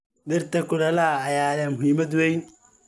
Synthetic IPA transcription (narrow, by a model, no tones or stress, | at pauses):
ɗɪrt̪ʰɐkʊɽɐlɐhɐːjaːlɛːmʊɦiːmɐd̪wɛjn